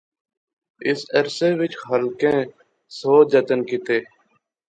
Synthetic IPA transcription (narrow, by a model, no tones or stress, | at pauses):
ɪsəɾseːʋɪt͡ʃhəlkẽː | soːd͡ʒət̪ənkɪt̪eː